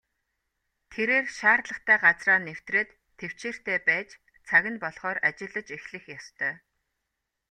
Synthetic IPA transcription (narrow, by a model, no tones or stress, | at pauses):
t̪ʰeɾeːrʃaːrɮə̆χt̪ʰæːɢat͡sraːnew̥t̪reːt̪ʰːew̥t͡ɕeːr̥t̪æːpæːt͡ɕ | t͡sʰaɣʲɪ̆npɔɮχɔːrat͡ɕɪ̆ɮə̆t͡ɕexɮɘ̆xjɔst̪ʰœː